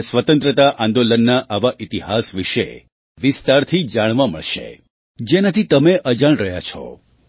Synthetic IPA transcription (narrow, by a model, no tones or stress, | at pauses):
sʋət̪ə̃nt̪ɾət̪aʔãnd̪olənːaʔaʋaʔit̪iɦasʋiʃḛ | ʋɪst̪aɾt̪ʰid͡ʒaɽ̃ʋamə̰ɭʃḛ | d͡ʒenat̪ʰit̪əmeʔəd͡ʒaɳ̃ɾəɦja̰t͡ʃʰɔ̰